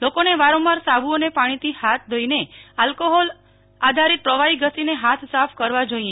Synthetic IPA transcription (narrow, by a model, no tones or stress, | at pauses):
lokoneʋaɾɔ̃maɾsabʱuonepaɽ̃it̪ihat̪̚ʰd̪ʱəinealkoɦɔl | ad̪ʱaɾit̪̚pɾəʋaiɡəsineɦat̪ʰsafʰkəɾʋad͡ʒoie